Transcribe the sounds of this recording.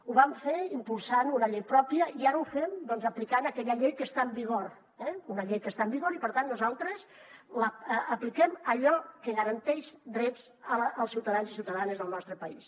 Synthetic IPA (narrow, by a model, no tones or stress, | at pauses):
uβamfeimpulˠsanunəʎejpɾɔpiəiaɾəufɛmd̪ɔnzəplikanəkɛʎəʎejkəst̪aəmbiɣ̞oɾ | ɛunəʎejkəst̪aəmbiɣoɾipəɾt̪anːuzalˠt̪ɾəsləːplikɛməʎɔkəɣəɾənt̪ɛʃd̪ɾɛd͡z | əːlˠsiwt̪əðanzis̬iwt̪əðanəzðəlˠnɔst̪ɾəpəis